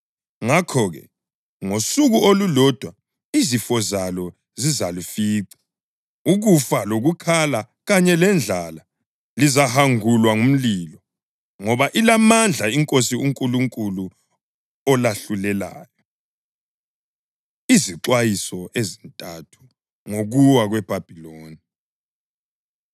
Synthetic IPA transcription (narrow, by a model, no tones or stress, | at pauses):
ŋakʰɔɣɛ̰ | ŋosuɣuolulɔd̥ʱwa | izifɔzalɔ | zizalifiːǀḁ | uɣufaloɣukʰala | ɣaɲɛlɛnd͡ɮʱala | lizahaŋulwaŋum̩lilɔ | ŋɔβaʔilamand͡ɮʱaiŋkʼosiuŋkʼuluŋkʼulu | ɔlaɬulɛla̰ːjɔ | iziǀwajisɔʔezintʼatʰu̥ | ŋoɣuwaɣwɛb̥ʱab̥ʱiloːni